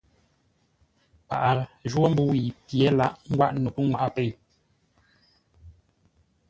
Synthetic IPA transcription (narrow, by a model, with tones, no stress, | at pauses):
pa̰˨ʔa˨ʒwo˦m̩˦bu˦wi˨pje˨˦la˦ʔŋ̩˦ɡwa̰˦ʔno˨pə˦ŋwa˨ʔa˦˨pe˨